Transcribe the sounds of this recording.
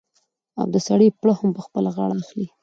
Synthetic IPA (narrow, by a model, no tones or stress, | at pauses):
a̰b̚d̪əsaɽipɽəhampəxpəlaɣɑɽaːxli